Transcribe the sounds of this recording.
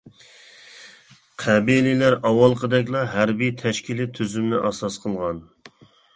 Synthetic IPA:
qʰæbililæɾɑwɑlˠqʰəd̪ɛkʲlˠɑɦæɾbit̪ʰɛʃkʲʰilɪt̪ʰyzymnɪʔɑsɑsqʰəlˠʁɑn

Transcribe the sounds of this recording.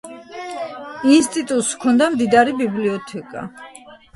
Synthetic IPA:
inst̪ʼit̪ʼut̪ʼskʰɔnd̪amd̪id̪aɾibibliɔt̪ʰɛkʼa̰

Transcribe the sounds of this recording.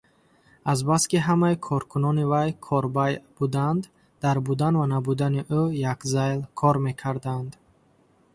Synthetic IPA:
azbaskiɦamaikʰɔɾkʰunɔnivajkʰɔɾbajb̥ud̪and̪ | d̪̥aɾbud̪anvanabud̪aniʔujakzajlkʰɔɾme̞kʰaɾd̪and̪

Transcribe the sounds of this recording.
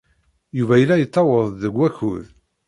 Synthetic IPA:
juvæjəlːæjət͡s̪ˤːɑwəðˤðəɡʷːæçuð

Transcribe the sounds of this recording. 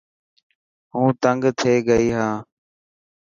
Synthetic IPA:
ɦũːt̪əŋɡt̪ʰeːɡəiːɦãː

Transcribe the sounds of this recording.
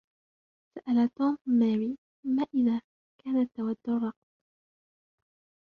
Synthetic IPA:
saʔalat̪ɔːmmaːwiː | maːʔɪðaː | kaːnat̪ːawad̪ːʊrˤːɑq̚m

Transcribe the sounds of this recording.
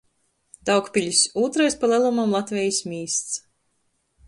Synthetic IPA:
d̪̥ɑwkpʲilʲisuːt̪ɾajspalˠælˠumamlˠat̪vʲɛjismʲiːst̪s

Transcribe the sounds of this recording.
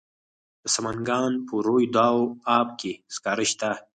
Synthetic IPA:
d̪̥əsamaŋɡɑːnpəɾojd̪ɑwɑːp̚keskɑːɾəʃt̪a

